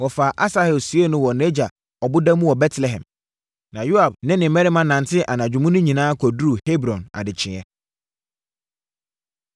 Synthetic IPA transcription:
wɔ˨fa˨ʔa˦sa˦hɛ˨lsu˨˦ɛ˦nʊ̃˦wɔ˨nɛ˦d͡ʑa˨ | ɔ˨bʊ˦dã˦mũ˦wɔ˨bɛ˦tʰlɛ˨ɦɛ̰̃˨m | nã˨ju˦a˨b̚nɪ̃˦nɪ̃˨mɛ˦ɾɪ˦mã˦nã˨ntʰɪ˦ʔa˨nã˨d͡ʑᶣu˨mũ˦nʊ̃˦ɲĩ˨nãː˦kʰɔ˨du˦ɾu˨he˦bɾɔ̃˨na̰˨dɪ˨t͡ɕʰɪ̃˨ɛ˦

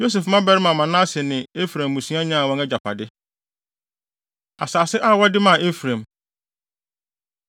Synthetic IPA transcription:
jo˦s̬ɛ˨fmã˦bɛ˦ɾɪ˦mã˨mã˨nã˦sɪ˨nɪ̃˨e˦fɾã˨mːũ˨sũ˦ã˦ɲã˦a˨wɔ̃˦nɛ˦d͡ʑa˨pʰa˨dɪ˦ | a˨saː˨sɪ˦ʔa˦wɔ˦dɪ˦mã˨e˦fɾã˨m

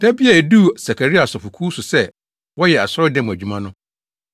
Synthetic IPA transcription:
d̥æ˦bi˦a˨e˨du˦˨sa˨kʰa˨ɾi˦a˨sɔ˨fʊ˨kʰuː˦sʊ˨sɛ˦ | wɔ˦jɛ˨a˨sʊ˦ɾɔ˦dɛ̃˦m˨æ˨d͡ʑᶣu˦mã˦nʊ̃˦

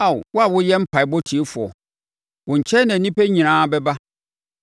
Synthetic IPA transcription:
a˨wwʊ˦a˨wʊ̃˦jɛ˦m̩˦pʰa˨ɪ˨bɔ˦tʰi˨e˦fʊ˨ɔ̰˨ | wʊ̃˨ɲ̩˨t͡ɕʰɛ˦nã˨nĩ˦pe˦ɲĩ˨nãː˦bɛ˦ba˦

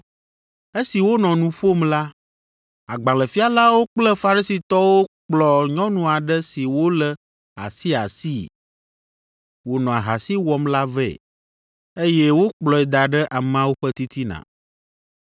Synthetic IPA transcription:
e˦si˨wo˦nɔ̃˨nũ˨ɸo˦mla˦ | a˨ɡ͡bã˨lə˨fi˦a˨la˦wo˦k͡plɛ˦fa˨ɾi˦si˨t̪ɔ˦wo˦k͡plɔ˨ɲɔ̃˦nũ˨a˨ɖɛ˦si˨wo˦lɛ˦ | a̰˨si˦a˨si˦ | wo˨nɔ̃˨a˨ɦa˨si˦wɔ˦mla˦vɛ̰˦˨ | e˦jɛ˦wo˦k͡plɔ˨ɛ˨d̪a˨ɖɛ˦ʔa˨m˦ã˦wo˦ɸɛ˦t̪i˦t̪i˦nã̰˨

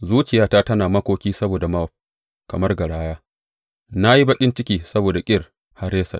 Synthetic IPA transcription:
zuː˦t͡ʃɪ˨jaː˦taː˦tɐ˦naː˨mɐ˦kʷoː˦kʲiː˦sɐ˦boː˨da˨ma˦˨ɸ̚ | kɐ˨mɐ˦rɡɐ˨ɽaː˦jaː˦ | na˦ji˦bɐ˦kʲʼɪ˦nt͡ʃɪ˦kʲiː˦˨sɐ˦boː˨da˨kʲʼɪ˦˨r | ha˦ɾeː˦sɐ̰˨

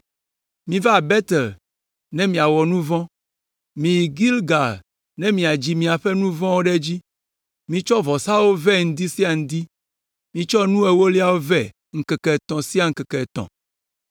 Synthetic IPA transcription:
mĩ˦va˦a˨bɛ˦t̪ɛ˨l | nɛ̃˦mĩ˨a˨wɔ˨nũ˦vɔ̃˦ | mĩ˨jɡi˦lɡa˨l | nɛ̃˦mĩ˨a˨d͡ʑi˨mĩ˨a˨ɸɛ˦nũ˦vɔ̃˦wo˦ɖɛ˦d͡ʑi˦ | mĩ˦t͡ʃɔ˦vɔ˨sa˦wo˦vɛ˦ŋ̩˨d̪i˦si˦a˨ŋ̩̃˨d̪i˦ | mĩ˦t͡ʃɔ˦nũ˦e˨wo˦li˦a˦wo˦vɛ˦ | ŋ̩˨kɛ˨kɛ˨t̪ɔ̃˨si˦a˦ŋ̩˨˦kɛ˨kɛ˨t̪ɔ̰̃˨

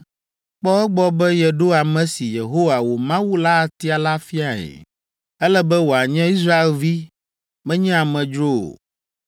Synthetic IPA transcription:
k͡pɔ˦ɛ˦ɡ͡bɔ˦bɛ˦jɛ˨ɖo˦a˨mɛ̃˦si˨je˨ɦo˦wa˨wo˨mã˦wu˦la˦˨t̪i˦a˨la˦fi˦a˨ɛ̰˨ | ɛ˦lɛ˦bɛ˦wo˨a˨ɲɛ̃˦i˦s̬ɾa˦e˦lvi˦ | mɛ̃˦ɲɛ̃˦a˨mɛ̃˨d͡ʒɾo˦o̰˨

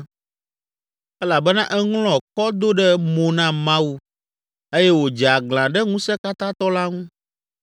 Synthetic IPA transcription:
ɛ˦la˨bɛ˦nã˦ʔɛ˦ŋlɔ̃˨kɔ˦d̪o˦ɖɛ˦mõ˨nã˦mã˦wu˦ | e˦jɛ˦wo˨d͡ʒa˨ɡl̃ã˨ɖɛ˦ŋũ˦sɛ˦ka˦t̪ã˦t̪ɔ˦la˦ŋũ˦

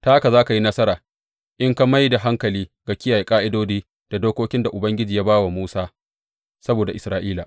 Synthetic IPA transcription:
ta˦ka˨zaː˦ka˨ji˦nɐ˦sɐ˦ɾaː˨ | ʔɪ˦ŋka˦ma˦jda˨ɦa˦ŋkɐ˨liː˦ɡa˨kʲɪ˦jaː˨ji˨kʼaː˦ʔɪ˦doː˦d͡ʒiː˦ | d̥a˨doː˦kʷoː˦kʲɪ˦nda˨ʔʊ˨bɐ˦ŋɡʲɪ˦d͡ʒiː˨ja˦baː˦wa˨muː˦saː˦ | sɐ˦boː˨da˨ʔɪ˨sɾaː˦ʔiː˦laː˨

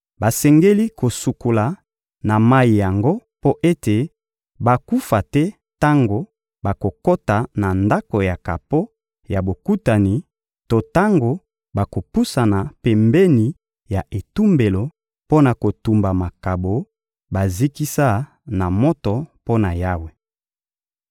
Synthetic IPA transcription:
ba˨sɛ˨ŋɡe˦li˦ko˨su˨ko˨la˨ | na˨ma˦i˨ja˨ŋɡo˦po˦ʔe˦te˨ | ba˨ku˦fa˨tɛ˦ | ta˦ŋɡo˨ | ba˨ko˨ko˦ta˨na˨nda˦ko˨ja˨ka˨po˦ | ja˨bo˨ku˦ta˨ni˨ | to˦ta˦ŋɡo˨ | ba˨ko˨pu˦sa˨na˨pɛ˨mbɛ˦ni˨ | ja˨ʔe˨tu˦mbe˨lo˨ | po˦na˨ko˨tu˨mba˨ma˨ka˨bo˨ | ba˨zi˦ki˦sa˦ | na˨mo˦tɔ˨po˦na˨ja˦we˨

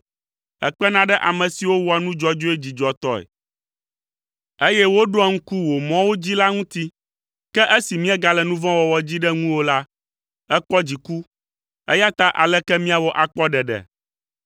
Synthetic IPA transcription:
ɛ̰˨k͡pɛ˦nã˦ɖɛ˦ʔa˨mɛ̃˨si˨wo˦wo˨a˨nũ˦d͡ʒɔ˦˨d͡ʒo˦e˦d͡ʑi˨d͡ʒɔ˨t̪ɔ˦ɛ̰˨ | e˦jɛ˦wo˦ɖo˦a˨ŋ̩˦ku˦wo˨mɔ̃˦wo˦d͡ʑi˦la˦ŋũ˦t̪i˦ | kɛ˦ʔe˦si˨mĩ˦ɛ˦ɡa˨lɛ˨nũ˦vɔ̃˦wɔ˨wɔ˨d͡ʑi˦ɖɛ˦ŋũ˦wo˦la˦ | ɛ˦k͡pɔ˦d͡ʑi˨ku˦ | ɛ̰˦ja˦t̪a˦ʔa˨lɛ˦kɛ˦mĩ˦a˨wɔ˦ʔa˨k͡pɔ˦ɖɛ˨ɖɛ̰˨

